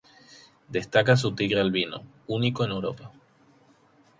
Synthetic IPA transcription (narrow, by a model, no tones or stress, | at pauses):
d̪est̪akas̬ut̪iɣɾealβino̰ | uniko̞ene̞wɾo̞̰pa